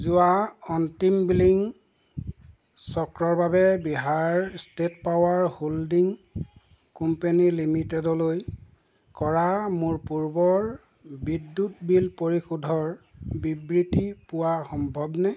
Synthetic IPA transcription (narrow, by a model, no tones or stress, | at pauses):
zʊaɔntimbiliŋ | sɔkɹɔɹbabɛbiɦaɹstetpawaɹholdiŋ | kumpenilimitɛdɔloj | kɔɹamuɹpuɹbɔɹ | bidːutbilpoɹixudʱɔɹbibɹitipʊwaxɔmbʱɔbnɛ